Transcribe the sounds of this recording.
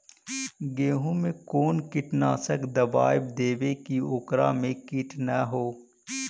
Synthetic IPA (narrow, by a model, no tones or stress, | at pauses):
ɡeːɦũmẽkoːnkɪʈnaːsəkd̪əbaːɪbd̪eːʋekioːkɾa̰mẽkiːʈʰnaɦoː